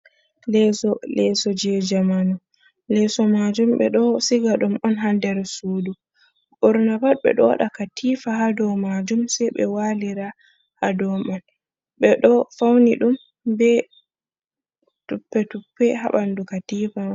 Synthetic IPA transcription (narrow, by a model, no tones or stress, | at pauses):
lɛsɔlɛsɔd͡ʒɛd͡ʒamanu | lɛsɔmad͡ʒumɓɛ̰ɗɔsiɡaɗumɔnɦandɛɾsudu | bɔɾnabad̚ɓɛ̰ɗɔɗakatʰifaɦadɔmad͡ʒumsɛjɓɛ̰waliɾa | hadɔman | ɓɛɗɔfawniɗum | bɛ | tupːɛtupːɛɦa̰ɓandukatiːfa